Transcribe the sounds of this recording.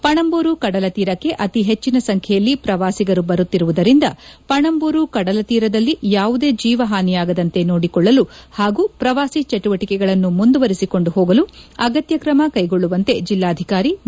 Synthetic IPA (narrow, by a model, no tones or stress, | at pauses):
pɐɳɐmbuːɾukɐɽɐlɐt̪iːɾɐkːe̞ʔɐt̪iɦe̞t͡ʃːinɐsɐŋkʰɛjɐlːipɾɐʋaːsiɡɐɾubɐɾut̪ːiɾuʋud̪ɐɾind̪ɐpɐɳɐmbuːɾukɐɽɐlɐt̪iːɾɐd̪ɐlːijaːʋud̪e̞ːd͡ʒiːʋɐɦaːnijaːɡɐd̪ɐnt̪e̞no̞ːɽikɔɭːɐluhaːɡuːpɾɐʋaːsit͡ʃɐʈuʋɐʈikɛɡɐɭɐnːumund̪uʋɐɾisiko̞ɳɖuɦoːɡɐluɐɡɐt̪jɐkɾɐmɐkɐjɡo̞ɭːuʋɐnt̪e̞d͡ʒilːaːd̪ʱikaːɾi